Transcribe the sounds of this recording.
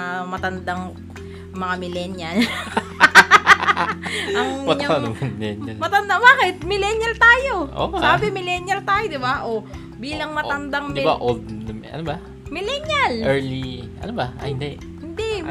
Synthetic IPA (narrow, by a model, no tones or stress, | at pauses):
mɐt̪ɐnd̪aŋ | mɐŋamɪlɛnjɐl | ʔɐŋɐtɲkaommɪlɛnjɐlmɐt̪ɐnd̪abaːkɪt̪̚mɪlɛnjɐlt̪aːjo̞ʔo̰aːbɪmɪlɛnjɐlt̪aːjod̪ɪbaʔo | biːlɐŋmɐt̪ɐnd̪aŋmɪbaʔold̪̚nɐmʔɐ̰nobɐ | mɪlɛnjɐlʔɛɹliʔɐ̰nobɐʔa̰hɪnd̪ɛ | hɪnd̪ɛ